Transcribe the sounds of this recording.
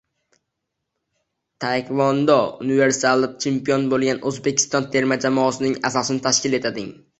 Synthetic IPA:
t̪ʰajkʰʲvɒnd̪ɒʊnɪve̞ɾsalˠːɪp̚t͡ʃʰempijɒnbolˠɡʲanɵzbekʲʰɪ̥st̪ɒnt̪ʰe̞ɾmad͡ʒamɒːsɪnɪŋasɒsɪnɪt̪ʰaʃkʲɪle̞t̪ʰad̪ɪŋ

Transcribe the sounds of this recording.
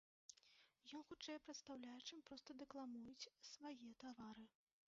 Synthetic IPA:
jɔnxut͡ʂɛjɛpɾɐt̪st̪awlʲajɛt͡ʂɨmpɾɔst̪ɐd̪ɛklˠamujut͡sʲsvajɛt̪avaɾɨ

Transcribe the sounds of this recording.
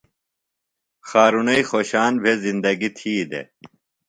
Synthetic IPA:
xaːɾunɐixoːɕaːnbʱezind̪ɐɡit̪ʰiːd̪ḛ

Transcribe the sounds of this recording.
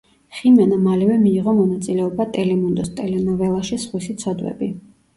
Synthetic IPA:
χimɛnamalɛvɛmiːʁɔmɔnat̪sʼilɛɔbat̪ʼɛlɛmund̪ɔst̪ʼɛlɛnɔvɛlˠaʃisχwisit̪sʰɔd̪wɛ̰bi

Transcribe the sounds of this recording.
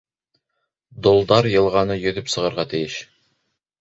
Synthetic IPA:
d̪olˠd̪ɑɾjɤ̆lˠʁɑnɤjɵ̆ðɵpsɤ̆ʁɤ̆ɾʁɑt̪ɘ̆jɘʃ

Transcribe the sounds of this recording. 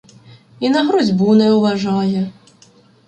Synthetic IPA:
inɐɦɾɔzʲbunɛʊʋɐʒɑjɛ

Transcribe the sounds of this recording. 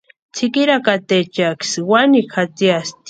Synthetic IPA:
t͡sʰikiɾakat̪et͡ʃakswanixʰat͡siast̪

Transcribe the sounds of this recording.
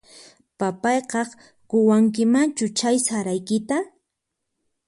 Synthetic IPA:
papɑjqɑχ | kʊwaŋk̬ɪmant͡ʃʊt͡ʃajsaɾajkɪt̪a

